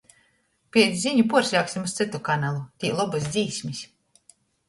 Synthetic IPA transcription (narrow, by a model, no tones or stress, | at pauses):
pʲiɛzʲiɲupuɔɾsʲjaːksʲimust̪sɨt̪ukanalˠut̪ʲiːlˠɔbus̬ʲd̪ziːsʲmisʲ